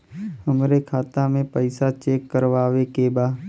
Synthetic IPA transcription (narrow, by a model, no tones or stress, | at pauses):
həmɾekʰaːt̪amẽpəɪsat͡ʃeːkːəɾʋaːʋekebaː